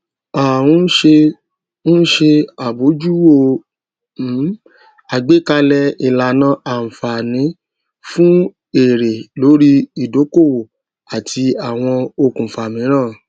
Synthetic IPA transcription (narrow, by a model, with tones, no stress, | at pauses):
a˨wũ˧˦ʃe˧ | ñ̩˦ʃe˧a˨bo˨˦d͡ʒu˦o˧˨˦ | a˨ɡ͡be˨˦ka˧lɛ˧i˨la˨nã˦ʔa˨fa˨nĩ˨˦ | fũ˦ | e˦˨ɾe˨lo˨˦ɾi˦i˨do˨˦ko˦˨wo˨ | a˨tʰi˧a˨w̃ɔ̃˧o˧kũ˨fa˨mĩ˨˦ɾ̃ãː˦˨